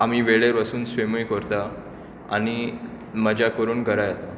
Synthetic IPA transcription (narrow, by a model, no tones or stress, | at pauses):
amiːʋeɭeɾʋasuːnsʋemujkəɾt̪a | a̰ñi | məd͡ʑakəɾuːnɡʱəɾajat̪a